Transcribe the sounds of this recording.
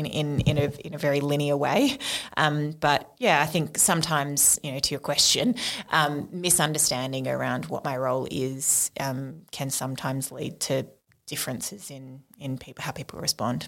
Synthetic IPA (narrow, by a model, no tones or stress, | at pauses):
ɨ̃nɪ̃nɪ̰̃nɨɪ̰̃nɨvɛɹilɪ̃ñiəwḛɪʔʌ̃mb̥ʌt̚jæaɪθɪ̃ŋksʌ̃mtʰãɪ̃mz̥jɨnoʊɾʰɨjə˞kʰw̥ɛst͡ʃɨ̃nʔʌ̃mːɪsʌ̃ndə˞stæ̃ndɪ̃ŋə̰˞ãʊ̃nd̚wʌ̰t̚maɪɹoʊlˠɪz̥ʔʌ̃mkʰɨ̃nsʌ̃mtʰãɪ̃mzlḭd̚tʰɨ | d̥ɪfɹɨ̃nsɨzɪ̃nɨ̃npʰipl̩ˠhaʊpʰipʰl̩ˠɹɨ̰spɑ̰̃nd̥